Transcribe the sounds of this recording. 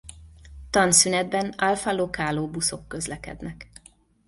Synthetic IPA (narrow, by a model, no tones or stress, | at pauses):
t̪ɒnsynɛd̪bɛnalfalokaːloːbuso̞kːø̞zlɛkɛ̰d̪nɛk